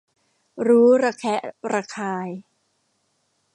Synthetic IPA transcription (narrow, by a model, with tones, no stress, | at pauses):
ɾuː˦˥ɾaː˧kʰɛ˦˥ʔɾaː˧kʰaː˧j